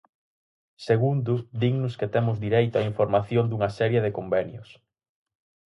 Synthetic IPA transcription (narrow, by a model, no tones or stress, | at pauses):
seɣund̪ʊd̪iŋnʊsket̪emʊzd̪iɾejt̪oaiɱfoɾmaθjond̪uŋɐsɛɾjeðekombenjʊs